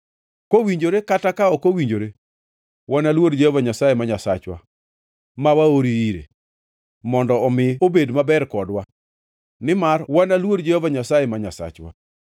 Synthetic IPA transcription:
kowiɲd͡ʒoɾekatakaɔkowiɲd͡ʒoɾe | wanalwodd͡ʒehɔvaɲasajemaɲasat͡ʃwa̰ | mawaoɾiiɾḛ | mɔndɔɔmɪobedmabɛɾkɔdwa | nɪmarwanalwodd͡ʒehovaɲasajemaɲasa̰t͡ʃwa̰

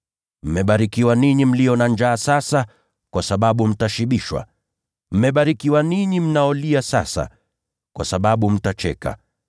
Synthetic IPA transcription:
m̩mɛɓaɾikiwaniɲim̩lijɔnand͡ʒaːsasa | kwasaɓaɓum̩taʃiɓiʃwa̰ | m̩mɛɓaɾikiwaniɲim̩naɔliasa̰sa̰ | kwa̰saɓaɓum̩tat͡ʃɛ̰ka̰

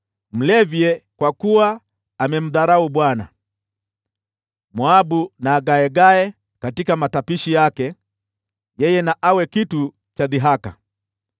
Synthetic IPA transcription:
m̩lɛvjɛkwakuwaː | mɛm̩ðaɾauɓwana̰ | mwabunaːɡaɛɡaɛ | katikamatapiʃijakɛ | jɛjɛnaʔawɛkitu | t͡ʃaðiɦaka̰

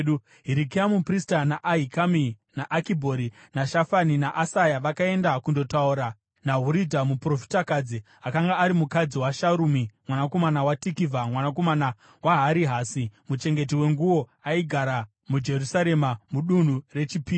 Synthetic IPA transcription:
u | ɦiɾik̬iamupristanaʔaɦikaminaʔakibʱo̞ɾinaʃafaninaʔasajaʋakae̞ndakundo̞tauɾa | naɦuɾidʱamupro̞fi̥takad͡zi | akaŋɡaːɾimukad͡ziwaʃaɾumimwanako̞manawatikivʱamwanako̞mana | waɦaɾiɦaːsimut͡ʃe̞ŋɡe̞tiwe̞ŋɡuwo̞aiɡʱaɾa | mud͡ʒe̞rusaɾe̞mamuɗun̤ure̞t͡ʃipi

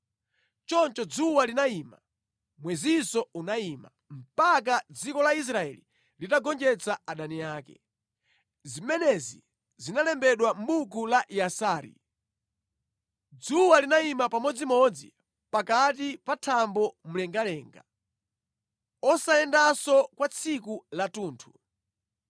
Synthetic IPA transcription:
t͡ʃɔnt͡ʃɔd͡zuwalinaima̰ | mwɛzisɔunaima̰ | m̩pak̬ad͡zikɔlais̬ɾaɛ̰lḭ | litaɡɔnd͡ʒɛt͡saaɗaniaːkɛ̰ | zimɛnɛzḭ | zinalɛmbɛɗwam̩ɓukulaʔiasaːɾḭ | d͡zuwalinaimapamɔd͡zimɔd͡zḭ | pakat̬ipatʰambɔmulɛŋɡalɛːŋɡa | ɔsaɛndasɔkwat͡sʰikulatuːntʰu̥

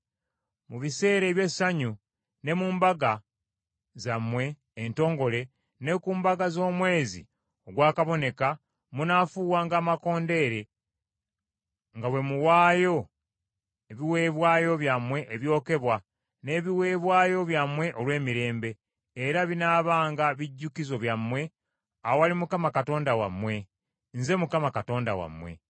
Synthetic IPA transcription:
muβise̞ːɾe̞ːβje̞saɲu | ne̞muːmbaɡa | zamwe̞ː | nto̞ːŋɡo̞le̞ | ne̞kuːmbaɡazo̞ːmwe̞ːzḭ | oɡwaːkaβo̞ne̞ka | munafuːwaːŋɡaːmako̞ːnde̞ːɾe̞ | ŋɡawe̞muwaːjo̞ | eβiwe̞ːβwaːjo̞βjamwe̞ʔeβjo̞ːke̞βwa | ne̞ːβiwe̞ːβwaːjo̞βjamwe̞ʔo̞lwe̞ːmiɾe̞ːmbe̞ː | ɾaβinaːβaːŋɡaβiɟːukizo̞βjamːwe̞ | awowalimukamakato̞ːndawa̰mwe̞ | nze̞mukamakato̞ːnda̰wa̰mwe̞̰

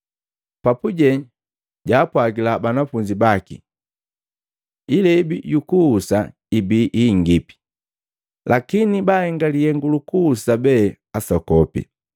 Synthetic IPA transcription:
papuɟɛ | ɟaːpwaɡilabanafuɲd͡ʒibakḭ | ilɛibijukuhːsa | ibiʔiŋɡipi̥ | lʔakinibahɛŋɡalihɛŋɡulukuhːsabɛ | asɔkɔpḭ

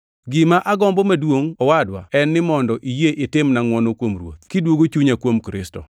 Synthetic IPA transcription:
ɡɪmaʔaɡɔmbɔmadwoŋɔwadwa̰ɛnːɪmɔndɔʔijeʔɪtɪmnaŋwɔnokwomrwo̰t̪̚kidwoɡot͡ʃuɲakwomkɾɪ̰stɔ̰

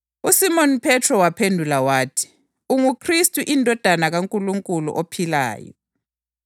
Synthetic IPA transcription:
usimɔnpʰɛtʰrɔwapʰendʱulawaːtʰi̥ | uŋukʰristʼuʔindʱɔd̥ʱanaɣaŋkʼuluŋkʼulṵʔopʰila̰ːjɔ̰

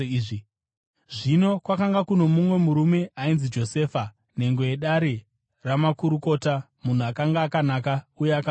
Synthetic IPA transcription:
i | ʐino̞kwakaŋɡakuno̞mumwe̞muɾume̞ainzid͡ʒo̞se̞ːfa | ne̞ŋɡo̞e̞ɗaɾe | ramakuɾuko̞ːta | mun̤uakaŋɡaːkanakaujeaka

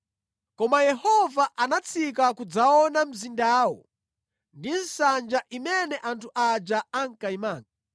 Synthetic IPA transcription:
kɔmajɛhɔvaʔanat͡sʰik̬akud͡zaɔnam̩zindaːwɔ̰ | ndinsand͡ʒaʔimɛnɛʔantʰuʔad͡ʒaaŋ̩kaimaːŋɡa

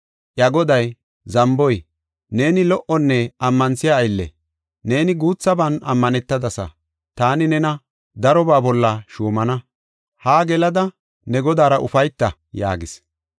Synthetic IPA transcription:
ʔjɐɡɔd̪ɐj | zɐmbɔj | ne̞ːnɪlɔʔɔnːɛɐmːɐnsɪjaːjlːɛ̰ | ne̞ːnɪɡuːt͡sːɐbɐnɐ̰mːɐnɛt̪ːɐd̪ɐsɐ̰ | t̪aːnɪnɛnɐ | d̪ɐɾɔbaːbɔlːɐʃuːmɐnɐ | haːɡɛlɐd̪ɐ | nɛɡɔd̪aːɾɐʔʊfɐjt̪ːɐ | ja̰ːɡɪs

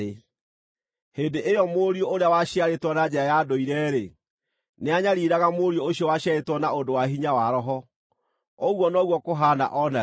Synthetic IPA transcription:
e | heːndeʔejɔmoɾioʔoɾeawaɕiaɾetwɔnad͡ʑɛɾajadoiɾɛːɾe | neaɲaɾiɾaɣamoɾiooɕjɔwaɕjaetwɔnaodowaɦiɲawaɾɔɦɔ | ɔɣwɔnɔɣwɔkoɦaːna̰ʔɔna

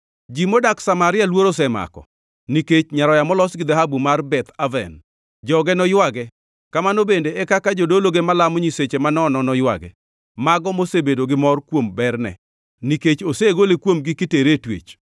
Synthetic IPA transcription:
d͡ʒimodaksamaɾɪalwoɾos̬ɛma̰kɔ̰ | niket͡ʃɲaɾɔjamɔlɔsɡɪd̪aɦabumarbɛt̪avɛ̰n | d͡ʒɔɡɛnɔjwaɡɛ | kamanobendeɛkakad͡ʒodoloɡemalamoɲiset͡ʃemanɔnɔnɔjwa̰ɡɛ̰ | maɡɔmosebedoɡɪmɔrkwombɛrnɛ̰ | niket͡ʃoseɡolekwomɡɪkɪteɾetwḛt͡ʃ

